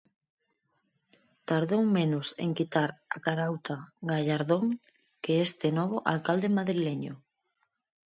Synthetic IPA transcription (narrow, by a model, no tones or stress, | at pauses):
t̪aɾðowmenʊsḛŋkit̪aɾa̰kaɾawt̪aɡaʎaɾðoŋ | keest̪enɔβ̞oʔalkald̪emaðɾileɲo̰